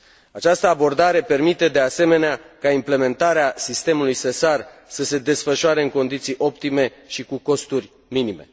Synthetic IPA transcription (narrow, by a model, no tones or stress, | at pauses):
at͡ʃast̪əabo̞rd̪aɾe̞pe̞rmit̪e̞d̪e̞ase̞me̞neakaimple̞me̞nt̪aɾeasist̪e̞mulujsesarsəse̞d̪e̞sfəʃuaɾe̞ɨŋko̞nd̪it̪sijʔo̞pt̪ime̞ʃikuko̞st̪urʲ | minime̞̰